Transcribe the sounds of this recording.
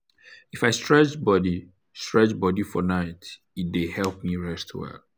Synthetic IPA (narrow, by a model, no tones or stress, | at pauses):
ifaɪstɹɛt͡ʃbɔdi | stɹɛt͡ʃbɔdifɔnaɪt | it̚dehɛlp̚miɹɛstʰwɛ̰lˠ